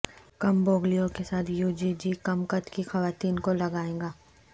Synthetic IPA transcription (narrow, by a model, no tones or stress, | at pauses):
kɐmboːɡlijõkesaːt̪ʰjuːd͡ʒid͡ʒiːkɐmkət̪kixɐʋaːt̪iːnkolɐɡaːẽːŋɡaː